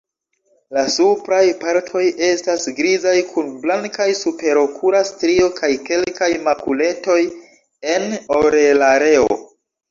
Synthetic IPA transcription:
lasupɾajpaɾtʰo̞je̞stasɡɾizajkʰunblaŋkajsupe̞ɾo̞kʰuɾastɾio̞kʰajke̞lkajmakule̞to̞j | e̞no̞ɾelaɾe̞o̰

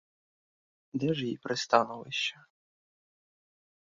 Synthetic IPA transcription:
d̪ɛʒjipɾɪst̪ɑnʊlɪʃt͡ʃɛ

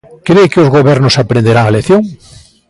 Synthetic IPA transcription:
kɾejkeozɣoβeɾnosapɾẽnd̪eɾaŋaleθjoŋ

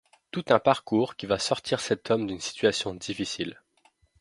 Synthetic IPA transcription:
t̪ut̪ɛ̃paʁkuʁkʲivasɔʁt̪ʰiʁsɛt̪ʰɔmd̪ynsi̥t̪ɥasjɔ̃d̪ifisil

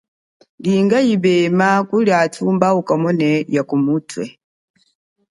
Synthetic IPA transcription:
liːŋɡajibɛmakuljatʰuːmbaukamɔnɛjakumutwɛ̰

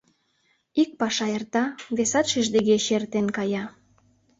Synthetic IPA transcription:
ik̚pɑʃɑert̪ɑβesɑt̪ʃiʒd̪eɣeʃert̪enkɑjɑ

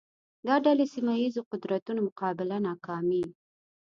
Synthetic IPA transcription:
d̪ɑɖalesimajizoqʊd̪ɾat̪unomʊqɑbɪlanɑkɑmi

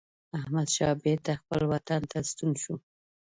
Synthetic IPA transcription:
ahmad̪ʃɑbed̪axpəlwat̪ant̪ast̪unʃu

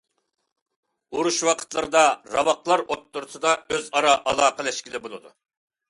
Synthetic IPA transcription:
uɾuʃwɑqʰə̥t̪lˠəɾɨd̪ɑɾɑ̰wɑqlˠɑɾot̪ːuɾʊsɨd̪ɑøzɑɾɑʔɑlˠɑːqəlɛʃkʲilɪbolˠɨd̪u

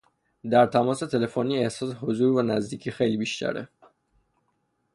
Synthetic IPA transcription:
d̪æɾt̪ʰæmɒːse̞t̪ʰe̞le̞foniːe̞hsɒːseɦozuːɾvænæzd̪iːcʰiːxejliːbiʃt̪æ̰ɾe

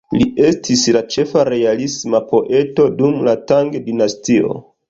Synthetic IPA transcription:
lie̞stʰislat͡ʃe̞faɾe̞alismapo̞ʔe̞to̞dumlataŋɡedinastio̞̰

